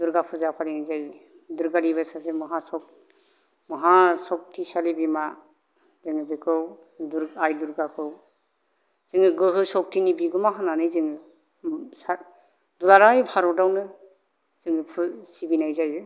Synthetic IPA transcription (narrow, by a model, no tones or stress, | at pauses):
duɾɡapʰɯzakʰalinazaj | duɾɡaɾibasasemɯɦasɔk̚ | mɯɦasɔk̚tʰisalibima | zɯŋɯbɯkʰɯw | duɾajduɾɡakʰɯw | z̥ɯŋɯɡɯɦɯsɔk̚tʰinibiɡɯmaɦananɯjzɯŋɯ | sa | dulaɾajbʰaɾɔdawnɯ | z̥ɯŋɯpʰusibinajzajɯ